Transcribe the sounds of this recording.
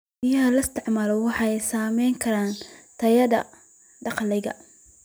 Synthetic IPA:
bɪjɐɦɐlɐst̪ʰɪʕmaːlɔwɑħɑɛjsaːmɛjŋkʰɐɾaːnt̪ʰɐjɐðɐ̰ | ɖɑqlɛjɣɐ̰

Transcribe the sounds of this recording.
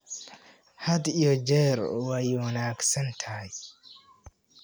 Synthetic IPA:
hɐd̪ijɔd͡ʒɛɾwaːjiwɐnaːɡsɐnt̪ʰɐj

